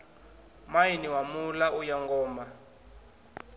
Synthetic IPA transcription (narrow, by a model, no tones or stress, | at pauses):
majiniwamulaʔujaŋɡɔːma